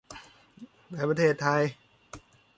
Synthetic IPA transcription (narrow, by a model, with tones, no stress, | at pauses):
naː˧˩pɾa˧t̪ʰeː˥˩t̪ʰːa˧j